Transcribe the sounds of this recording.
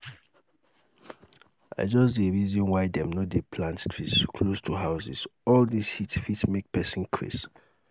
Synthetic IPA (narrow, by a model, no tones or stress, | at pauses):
a̰ɪd͡ʒɔsdeɹizɔ̃nwaɪdɛ̃mnodepʰlãntstʰɹitskʰlostʰuɦaʊsḭsɔldishitfitsmek̚pɛsĩnkʰɹḭs